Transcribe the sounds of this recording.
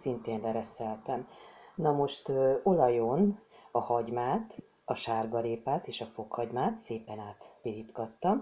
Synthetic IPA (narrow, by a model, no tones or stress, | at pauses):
sint̪eːnlɛɾɛsɛlt̪ɛmnɒmo̞ʃt̪øo̞lɒjo̞nɒhɒɟmaːt̪ | ɒʃaːrɡɒleːpaːt̪eːʃɒfo̞khɒɟmaːt̪seːpɛnaːt̪pilit̪ɡɒt̪ːɒm